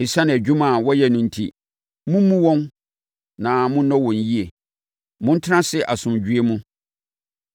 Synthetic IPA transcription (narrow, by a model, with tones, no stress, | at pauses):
i˨sa˦ñ˨æ˨d͡ʑᶣu˦mã˨wɔ˦jɛ˦nʊ̃˨n̩˨tʰi˦ | mũ˦mːũ˦wɔ̃˦n | nã˨mʊ̃˦n˦nɔ̃˦wɔ̃˨n˨ji˦e˨ | mʊ̃˦n̩˦tʰɪ˦ã˦sɪ˦ʔa˨sʊ̃˨m˨d͡ʑᶣɥe˦mũ˦